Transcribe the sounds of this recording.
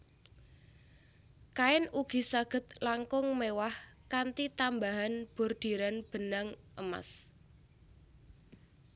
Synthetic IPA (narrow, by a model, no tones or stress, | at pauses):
kaɪnuɡ̥i̤saɡ̥ə̤t̪̚laŋkʊŋmewahkant̪it̪ambaɦanb̥o̤rd̪̥i̤ɾanb̥ə̤naŋʔə̰ma̰s